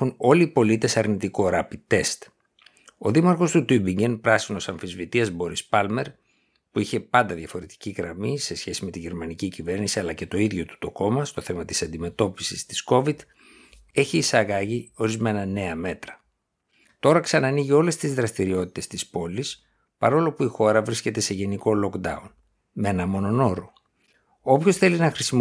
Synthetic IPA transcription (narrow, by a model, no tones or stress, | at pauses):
uno̞liːpo̞lit̪e̞sɐɾnit̪ikoɾɐpit̪e̞st̪ | o̞ðimɐɾxo̞st̪ut̪ubiɲɟenpɾɐsino̞sɐɱfizvit̪iɐzbo̞ɾispɐlme̞ɾ | puiçe̞pɐnd̪ɐðjɐfo̞ɾe̞t̪i̥ciɣɾɐmise̞sçe̞sime̞t̪iʝe̞ɾmɐnicicive̞ɾnisiɐlɐce̞t̪o̞iðʝo̞t̪u̥t̪o̞ko̞mɐst̪o̞θe̞mɐt̪i̥sɐnd̪ime̞t̪o̞pi̥sist̪i̥sko̞vid̪̥ | e̞çiːsɐɣɐʝio̞ɾizme̞nɐne̞ɐme̞t̪ɾɐ̥ | t̪o̞ɾɐksɐnɐniʝio̞le̞st̪izðɾɐst̪iɾio̞t̪i̥t̪e̞st̪ispo̞lis | pɐɾo̞lo̞puixo̞ɾɐvɾisce̞t̪e̞se̞ʝe̞niko̞lo̞kd̪ɐ̰un | menɐmo̞no̞no̞ɾo | o̞pço̞sθe̞linɐxɾisim